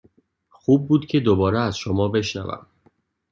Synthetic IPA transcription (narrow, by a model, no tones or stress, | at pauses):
xuːb̚ːuːd̪cʰe̞d̪obɒːɾeæzʃomɒːbe̞ʃnæ̰væ̰m